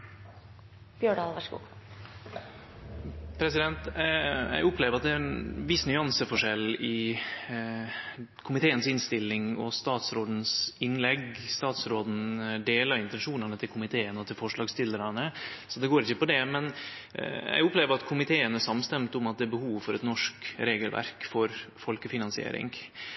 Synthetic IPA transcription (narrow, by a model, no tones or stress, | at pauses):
b̥jøːɖɑːlʋæʂkṵː | pʰɾɛsɪd̪ɛnt̪jæ̰ɪɡʊpleːʋəɾɑt̪̚d̪æɾɛnʋɪsnʏɑnsəfɔʂɛlɪ | kʰʊmɪt̪ʰeːənsɪnst̪ɪlːɪŋɔ̰st̪ɑːt̪sɾoːd̪n̩sɪnːlɛɡst̪ɑːt̪sɾoːd̪n̩d̪eːlɑɾɪnt̪ɛnʂuːnɑnət̪ʰɪlkʰʊmɪt̪ʰeːənəɔt̪ʰɪlfɔʂɭɑːɡst̪ɪləɾɑnəsɔd̪ɛɡoːɾɪçːəpɔd̪ɛmɛn | jæ̰ɪɡʊpleːʋəɾɑt̪kʰʊmɪt̪ʰeːənəʂɑmst̪ɛmt̪ʊmɑt̪̚d̪ɛːɾbəhuːʋfɔɾɛt̪nɔʂkɾeːɡəlʋæ̰ɾkfɔɾfɔlkəfɪnɑnsɪḛːɾɪ̰ŋ